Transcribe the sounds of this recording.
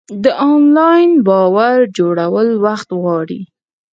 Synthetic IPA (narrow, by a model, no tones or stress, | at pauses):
d̪əʔɑnlɑjnbɑwaɾd͡ʒoɽawəlwaxt̪ɣwɑɽḭ